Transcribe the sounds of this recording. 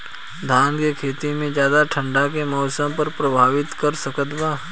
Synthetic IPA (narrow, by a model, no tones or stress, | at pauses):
d̪ʱaːnkekʰeːt̪imẽd͡ʒjaːd̪aʈʰə̃ɳɖakemɔːsə̃mpɐɾpɾɐbʱaːʋɪt̪kɐɾsəkət̪baː